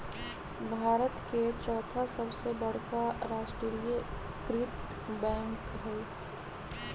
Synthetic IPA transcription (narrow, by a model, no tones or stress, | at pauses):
bʱaːɾət̪ket͡ʃɔːt̪ʰasəbsebəɽ̤kaɾaːʃʈɾiɾijə | kɾɪt̪ | bɛ̃ːŋk | ɦɛl